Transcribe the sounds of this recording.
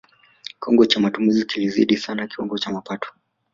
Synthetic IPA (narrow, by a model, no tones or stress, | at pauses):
kiɔŋɡɔt͡ʃamatumizikilizḭɗisanakiwɔŋɡɔt͡ʃamapatɔ̥